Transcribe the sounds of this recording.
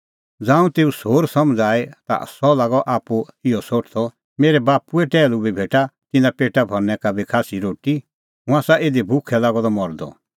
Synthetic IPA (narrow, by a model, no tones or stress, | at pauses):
d͡zãːũt̪eːusoːɾsɔmd͡zaːet̪a̰sɔlaːɡɔʔaːpuɪɔsoːʈʰt̪ɔ | meːɾɛbaːpuɛʈɛːlubʱibʱeːʈat̪ɪnãpeːʈabʱɔɾnɛ̃kabʱikʰaːsiɾoːʈi | ɦʊ̃ãsaeːd̪ibʱʊkʰɛlaːɡɔd̪ɔmɔɾd̪ɔ̰